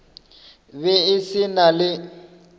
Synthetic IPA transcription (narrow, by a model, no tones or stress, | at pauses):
βɛɪsɪnalɪ